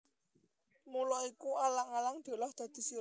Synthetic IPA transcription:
mulɔikualaʔŋalaŋd̪̥o̤lɔhd̪̥ä̤d̪̥i̤si

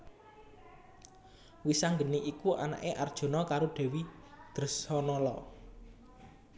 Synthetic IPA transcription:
wisaŋɡə̤niʔikua̰na̰ʔeʔard̥ʒ̥o̤nɔkaɾoɖ̥ɛ̤wid̪̥ərshɔnɔlɔ

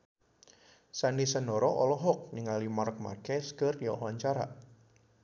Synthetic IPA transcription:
sandisənɔɾɔʔɔlɔɦɔk̚niŋalimaɾk̚ma̰kɛskərdiɔ̰ɦɔɲt͡ʃaɾa̰

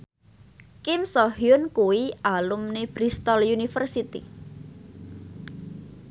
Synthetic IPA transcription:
kɪmsɔɦjʊnkuwiʔalumneb̥ɾist̪ɔljunifərsit̪ḭ

